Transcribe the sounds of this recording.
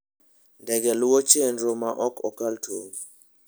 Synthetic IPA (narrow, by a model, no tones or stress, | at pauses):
ndɛɡɛlʊwɔt͡ʃendɾomaʔɔkɔkaltʰoŋ